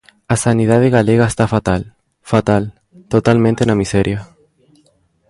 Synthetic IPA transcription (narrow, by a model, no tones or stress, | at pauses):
asanið̞aðeɣaleɣaest̪afat̪al | fat̪al | t̪ot̪almẽnt̪enamisɛɾja